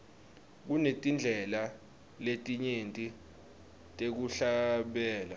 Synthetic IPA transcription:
k̬unetʼind͡ɮʱɛla | letʼiɲentʼi | tʼek̬uɬaɓɛːla

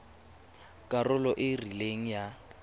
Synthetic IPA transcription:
kʼarʊlɔʔɪrileŋ̩ja

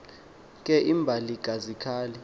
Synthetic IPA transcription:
k̬ʼɛʔimbʱaliɡ̥ʱazikʰaːlɛ

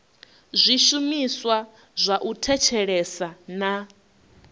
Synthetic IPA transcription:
zʷiʃumiswa | zʷaʔutʰɛt͡ʃʰɛɺɛsana

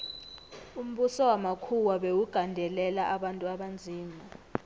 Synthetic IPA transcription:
um̩ɓusɔwamakʰuwaɓewuɡ̥ʱandʱɛlɛlaʔaɓantʼuaɓand͡zʱiːma

